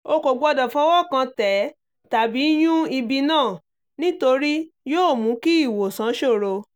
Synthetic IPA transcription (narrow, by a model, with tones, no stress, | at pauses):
o˧ko˨ɡ͡bɔ˧dɔ˨fɔ˦wɔ˦˨kã˧tɛ˨˦ | ta˨bi˨˦j̃ũ˦i˧bi˧nãː˦˨ | nĩ˦to˧ɾi˦joː˦˨mũ˨˦ki˦i˦˨wo˨sã˨˦ʃo˦˨ɾo˧